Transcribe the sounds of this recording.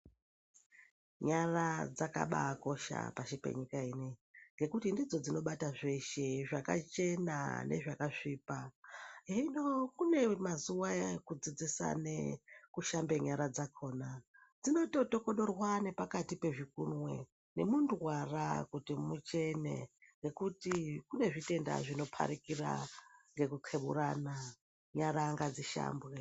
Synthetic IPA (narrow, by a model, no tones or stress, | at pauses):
ɲarad͡zaka̰ɓa̰ko̞ʃa̰paʃipe̞̰ɲikaiːneŋɡe̞kutindid͡zo̞d͡zino̞ɓataʐeʃeʐaka̰t͡ʃe̞na̰ne̞̰ʐakaʂiːpaeinokune̞mazuwaekud͡zid͡zisa̰nekuʃambe̞ɲaɾad͡zakʰo̞ːna | d͡zino̞to̞to̞ko̞ɗo̞rwane̞pakatipe̞ʐik̚unwe̞ | ne̞mundwara̰kutimut͡ʃe̞ne̞̰ŋɡe̞kutikune̞ʐite̞nda̰ʐino̞pʰa̰ɾikira̰ŋɡe̞kuǃʰeɓṵrana | ɲaɾaŋɡad͡ziʃa̰ːmbwe